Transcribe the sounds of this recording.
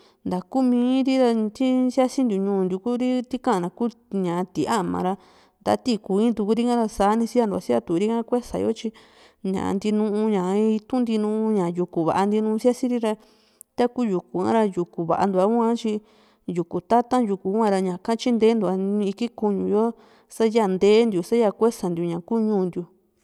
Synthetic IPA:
nd̪a˨ku˦mĩː˧˦ɾi˦ɾa˧t̪i˦sja˦si˦nd̪u˨ɲũː˧˨˧nd̪u˧ku˦ɾi˦t̪i˦kã˦ʔnã˨ku˦ɲã˨˧t̪i˨˦a˦˨mã̰˨˧ɾa˧ | nd̪a̰˧˦t̪i˦ku˨ĩ˦t̪u˧ku˦ɾi˦ŋã˦˧ɾa˧saː˨˦nĩ˧si˦a˧d̪u˧˨a̰˨˧si˦a˧t̪u˨˧ɾi˦ŋã˦kʷe˦sa̰˨jo̰˦t͡ʃi˧ | ɲã̰˨˧nd̪i˧nũ˧ʔũ˧ɲã˨˧i˧t̪ũ˦nd̪i˧nũː˧˦˧ɲã˨ju˧ku˨βa̰˨ʔa˧nd̪i˧nũː˧sja˦sĩ˦ɾi˦ɾa˧ | t̪a˦ku˦ju˨ku˨ã̰˦ɾa˧ju˨ku˨βa̰˨ʔa̰˧nd̪u˨˧a˧˦u˦ã˦t͡ʃi˧ | ju˨ku˨t̪a˦t̪ã˦ju˧ku˨u˦ã˧ɾa˧ɲã˨kã˦t͡ʃi˦nd̪eː˦nd̪u˨˧ã˧i˧ki˦ku˧ɲũ˨jo˦ | sa˦ja˦˨nd̪eː˦nd̪ju˨sa˦ja˧kʷe˦sa˨nd̪ju˧ɲã˨kuː˦ɲũː˧˦˧nd̪ju˧

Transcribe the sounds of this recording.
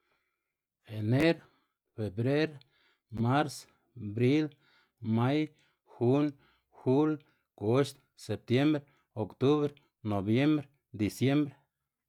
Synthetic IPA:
e˨ne˦ɾ | fe˨bɾe˦ɾ | ma˦ɾs | bɾi˦l | ma˦j | xu˦n | xu˦l | ko˦ʃt̪ | se˨p̚t̪je˦mbɾe | o˨kt̪u˦βɾe | no˨bje˦mbɾe | d̪i˨sje˦mbɾe˦

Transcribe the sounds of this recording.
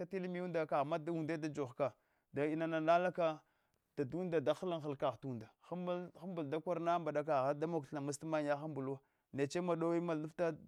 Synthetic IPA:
a˦ti˦lmi˦u˦nda˨ka˨ɣma˦du˨nda˦da˨d͡ʒo˨xka˨ | da˨i˨na˨na˨na˦la˦ka˦ | d̥a˨du˦n˦da˨da˨xə˦la˦ŋxə˨lka˨ɣtu˦˨nda˨xxa˦mbu˨lda˦kʷa˦ɾna˦mba˨ɗa˦k̬a˨ɣa˦da˦mo˨kɬla˨ma˦s̬ma˦ɲ˦ja˦xa˦mbu˨lwa˦ | ne˨t͡ʃe˦ma˨ɗo˦wi˦ma˨˦u˦fta˦

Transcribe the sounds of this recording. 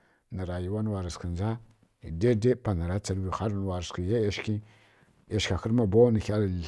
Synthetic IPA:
nə˨ɾa˨ji˦wa˦n˦wa˨ɾa˨skə˨nza˦˨ | de˦de˦pa˨na˨ɾa˦t͡sa˨lwi˨xa˦ɾn˨wa˨ɾskə˨je˦e˦˨ʃkʲi˦ | e˨ʃkʲa˨xə˦ɾma˨bo˦nə˨xʲa˦l

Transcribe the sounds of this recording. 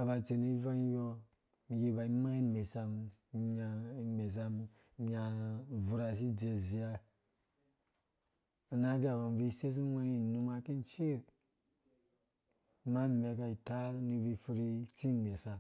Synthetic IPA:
a˨ba˨t͡se˨ni˦va˦i˦jo˦ | mi˨ji˧ba˨i˦ma˦i˦nme˨sa˧m˨a˨i˨˦me˨s̬a˧˦ | a˨vu˨ɾa˨s̬i˦d͡ʒe˨zi˨ja˧˨ | na˦ɡi˦a˨βa˨n˨vi˦se˦s̬i˦wa˦ni˦˨nu˧ma˧ki˦nt͡ʃe˦˨ɾ | ma˦˨me˨ka˧i˨ta˦ɾni˧vi˧fu˧ɾi˦t͡si˦˨me˨sa˨

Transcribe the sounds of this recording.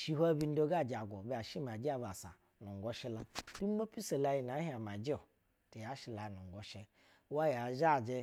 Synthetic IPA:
ʃi˦hʷa˦bi˦n̩˦do˦ɡa˦˨d͡ʒa˨ɡo˨be˦a˨ʃi˦m˨a˨d͡ʒi˦a˨ba˨sa̰˨ | nu˨ŋ˨ɡo˦ʃi˦la˦du˦mo˦pi˦se˨la˧ji˦n˨a˨˦ha˨m˨a˨d͡ʒi˦o˨ | te˨ja˨˦ʃi˨la˨i˨nu˨ŋ˨ɡo˨ʃe˦ | wa˦ja˨ʒa˦˨d͡ʒe˦

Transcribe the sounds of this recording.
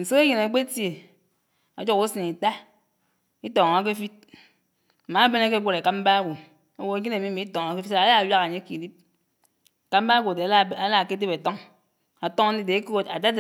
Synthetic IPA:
n̩˨se˦e˦ji˨na˨˦k͡pe˦tje˨ | a˨d͡ʒo˨ku˦si˨ni˨ta˦ | i˦tɔ˨ŋ˨a˨˦k̬e˦fi˦t̚ | m̩˨ma˨˦be˦ne˦ke˦ɡʷo˦ɾe˨ka˦m̩˦ba˦ɡʷo˨ | a˨˦wo˨e˨˦ɲi˦ne˨mi˦mi˨˦i˦tɔ˨ŋ˨˦ke˦fi˦ta˨˦a˦a˨wa˦ka˨ɲe˦ki˨li˦p̚ | ka˦m̩˦ba˦ɡʷo˨de˨˦˨a˦la˦˨ke˦de˦be˨tɔ˦ŋ | a˨tɔ˦ŋ˦i˦de˨˦ko˦a˨da˦d

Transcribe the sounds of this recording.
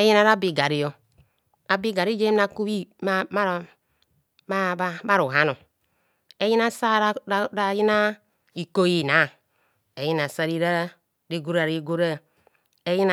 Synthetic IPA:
e˦ji˦na˦ɾa˦bi˨ɡa˨ɾi˦jo˨ | a˨bi˦ɡa˨ɾi˦d͡ʒe˦m˦a˦ku˦wi˦m˦ma˦˨˦ | ba˦ɾu˨ɦa˦no˨ | e˦ji˦na˦sa˦ɾɾa˦˨ji˦na˦ | i˨ko˦ji˦˨na˨˦˨ | e˨ji˦na˨sa˦ɾi˦ɾa˦ | ɾi˦ɡu˦ɾa˨ɾi˨˦ɡo˦ɾa˦ | e˦ji˦na˨

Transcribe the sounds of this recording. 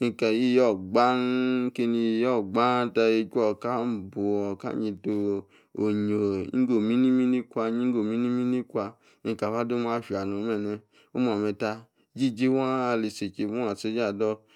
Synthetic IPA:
i˨ka˨ji˦˨jɔ˦˨ɡ͡ba˦n˦ke˧ni˧˨jɔ˦˨ɡ͡ba˦ta˧e˧kʷɔ˨ka˦m˨bo˨ɔ˨ka̰˦ɲi˧to˧ | o˨ɲo˨ḭ˦ɡo˨mi˦ni˦mi˦ni˦kʷa˧ɲi˦ŋ˦ɡo˨mi˦ni˦mi˦ni˦kʷa˧ | ĩ˨˧˨ka˨fa˦do˦m˦a˧˦˨ʃi˨a˨no˨˦mɛ˧˨nɛ˧ | o˦m˦ɔ˨mɛ˧ta˧˦ | d͡ʒi˦˨d͡ʒi˦wa˦a˧le˨se˨t͡ʃe˧˨mu˦˨a˨se˧˦d͡ʒa˨dɔ˧˦

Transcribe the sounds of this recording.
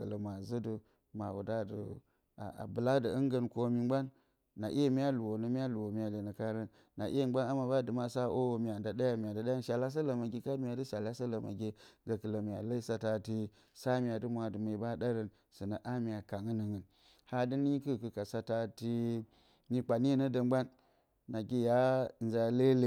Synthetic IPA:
kə̰˨lə˨ma˨zə˦du˨ | ma̰˨wṵ˨da˦də̰˨ | a̰˨a̰˨bɨ˨la˦də˨ə˦ŋɡə˦nko˦mi˦ɡ͡ba˦nː | a˨ʔḭ˦je˦mi˦a˦lu˨wo˨nə˦mi˦a˦lu˨wo˨mi˨ja˨le˨nə˨ka˦ɾə˦nːa˨ʔi˦e˦˨˦ɡ͡ba˦na˦ma˨ba˦dɨ˨ma˦sa˦ʔo˦wmi˨ja˨nda˨da˦ja˨mi˨a˨nda˨ɗa˦a˦nʃa˨la˦s̬a˦la˨ma˨ɡi˦ka˦mi˦ja˨dɨ˦ʃa˨la˦sa˦lə˨ma̰˨ɡʲe˦ɡa˨kɨ˨lə˨mi˨a̰˨lə˦sa˨ta˨ti˦ | sa˦mi˨ja˨dɨ˦mʷ˦a˨dɨ˨mə˨ba˦da˦ɾə˦n | sɨ˨na˨ʔa˦mi˨ja˨ka˨ŋɨ˦nə˨ŋə˨n | ha˦dɨ˦ni˦kɨ˦˨kɨ˨ka˨sa˨ta˦ti˦ | ni˦k͡pa˨n˦e˦nə˦də˨mɡ͡ba˦nː | a˨ɡi˦ja˦˨n˦za˨le˦le˨

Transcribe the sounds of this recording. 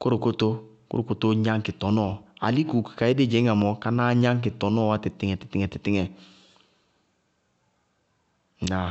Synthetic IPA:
ko˦ɾu˨ko˦to˦ | kṵ˦ɾu˨ko˦to˦ɲa˦ŋkɪ˨tɔ˨nɔ˦˨a̰˨li˦ku˨kka˨je˦de˦d͡ʒɛ˨˦ŋa˨mɔ˨ka˦na˦ɲa˦ŋk̬ɪ˨tɔ˨nɔ˦wa˦ti˨tɪ˦ŋɛ˨tɪ̥˨tɪ˦ŋɛ˨tɪ˨tɪ˦ŋɛ˨ | na˨

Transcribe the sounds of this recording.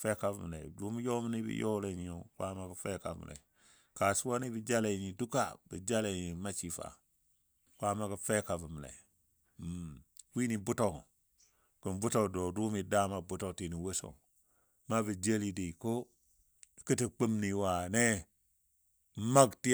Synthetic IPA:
fe˦ka˦˨vṵ˨m˨lḛ˨du˦mi˦jo˦mi˦ni˦bḭ˦jo˦le˨ni˨o˨kʷa˦ma˦kə˨fe˦ka̰˨m̰˨lḛ˨ | ka˨su˦wo˦ni˦bi˨d͡ʒa˦le˨ɲi˨du˦ka̰˨bə̰˨d͡ʒa˦le˨ɲi˨ma˦t͡ʃi˨fa̰˨ | kʷa˦ma˦kə˨fe˦ka˨və˨m˨lḛ˨˦ | wi˦ni˨bu˦to˨k | kə˨mbu˦to˦˨kdo˨du˦mi˨da˦ma˨bu˦to˦˨kti˨ni˨wo˦so̰˨ | ma˦bə˨d͡ʒe˦li˦di˨ko˦˨ | ki˦ti˨k͡pi˦mni˨wa˨ne˦ | ma˦ɡti˦

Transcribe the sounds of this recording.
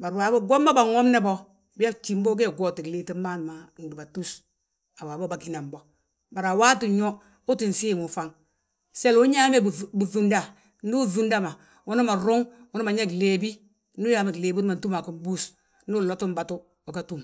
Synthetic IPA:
ba˨ɾwa˨bo˦ɡo˦mːa˦ba˨ŋo˦mne˦bo˦ | bi˦ja˦t͡ʃi˨m˦bo˦ɡ̬e˦ɡo˨ti˨kle˦ti˦ma˦n˨ma˨n˨di˨ba˨tu˦s | a˨wa˨bo˦ba˨ki˨na˨mbo˨ | ba˨ɾa˨wa˦ti˨ɲo˦ | u˦ti˨n˨si˦˨mu˨fa˦ŋ | se˦lu˦ɲa˦me˦bbu˨vu˦nda˨ | n˦u˦zu˦nda˦ma˨ | wu˦ni˦ma˨ɾu˦ŋwu˦nu˦ma˨ɲe˦kle˨bi˦ | nu˦ja˦me˨kleː˨bi˦ma˨n˨tu˦ma˨ku˦m˦bu˦s | nu˦lo˦tu˦m˦ba˨tu˦ | o˨ka˦tu˦˨m

